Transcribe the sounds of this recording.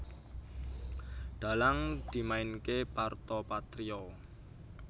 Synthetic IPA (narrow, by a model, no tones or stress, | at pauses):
ɖ̪̥a̤laŋd̪̥i̤maɪnkepart̪ɔpat̪ɾiɔ